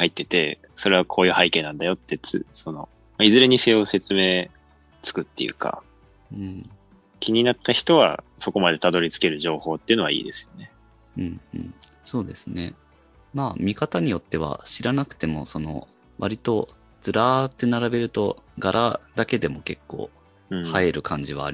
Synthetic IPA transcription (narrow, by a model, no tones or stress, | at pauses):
hait̪ːe̞t̪e̞̰ | so̞ɾe̞β̞akʰo̞ːjɯ̟ːhaike̞ːnãnd̪ajo̞t̪ːe̞t͡sɨ̰so̞no̞ | maizɨɾeɲ̟ise̞ːo̞se̞t͡sɨme̞ː | t͡sɨ̥kɯ̟t̪ːe̞̰jɯ̟̰ka̰ | ɯ̃ɴ | kʲiɲ̟inat̪ːaçi̥t̪o̞βa̰so̞ko̞mad̪e̞t̪ad̪o̞ɾʲit͡sɨ̥ke̞ɾɯ̟ʑo̞ːho̞ːt̪ːeiɯ̟no̞a̰ḭːd̪e̞sɨ̥jo̞ne̞ | ɯ̟̃ːɴɯ̰̃ɴ | so̞ːd̪e̞sɨne̞̰ | maːmʲikat̪aɲ̟ijo̞t̪ːe̞β̞a̰ɕiɾanakɯ̟̥t̪e̞mo̞so̞no̞̰ | βa̰ɾʲit̪o̞ | d͡z̥ɨɾaːt̪ːe̞naɾabe̞ɾɯ̟t̪o̞ɡaɾʔad̪ake̞d̪e̞mo̞ke̞kːõ̞̰ː | haeɾɯ̟kãɲ̟d͡ʑiβa̰ːɾi